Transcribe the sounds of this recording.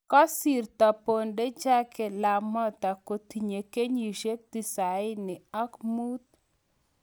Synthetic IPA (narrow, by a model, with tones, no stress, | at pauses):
kɔ˦si˨rt̪a˨po˨nde˦d͡ʒa˦ke˨la˨mɔ˦t̪a˨ko˨t̪i˨ɲe˨ke˦ɲi˨ʃe˦k̚t̪i˦˨sa˨ɪ˦nɪ˨ɔ˦kmu˦t̪̚